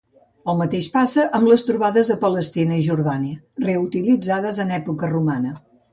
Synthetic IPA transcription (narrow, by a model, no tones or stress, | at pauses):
əlˠmət̪eʃpasəʔəmbləst̪ɾuβaðəzðəpələst̪inəiʒuɾðaniə | reut̪ilid͡zaðəzənɛpukərumanə